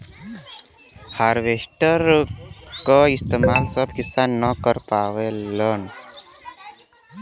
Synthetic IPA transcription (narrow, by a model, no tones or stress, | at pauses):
haːɾʋeːsʈəɾ | kaɪst̪emaːlsəbkɪsanːəkəɾpaːʋelən